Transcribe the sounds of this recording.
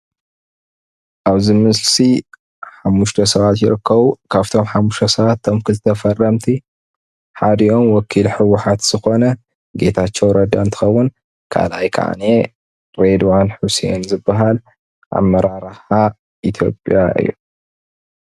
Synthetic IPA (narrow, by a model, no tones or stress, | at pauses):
ʔaβzimɨslsi | ħamːuʃt̪ʰɐsɐβat̪jɪɾɨkʰːɐβukʰaβt̪ʰo̞mħamːuʃt̪ʰɐsɐβat̪ːʰomkʰɨlt̪ʰɐfɐrːɐmt̪ʰi | ħad̪ɨʔo̞mwɔkʰːilħɨwːʊħat̪z̥ɨxo̞nɐ | ɡe̞t̪ʰat͡ʃːɛwɾɐd̪ant̪ʰɨ̥xɐwːʊn | kʰa̰lʔajkʰa̰ʕa̰ne | ɾed̪wanħusḛnzɨbːaɦal | ʔa̰mːɐɾaɾħa | ʔit̪ʰjo̞̰pʼjaʔɨ̰jːu